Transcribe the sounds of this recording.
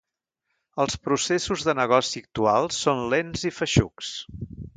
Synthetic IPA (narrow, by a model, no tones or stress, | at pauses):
əlˠspɾusesuzðənəɣ̞ɔsiək̚t̪ualˠsːonlenzifəʃṵks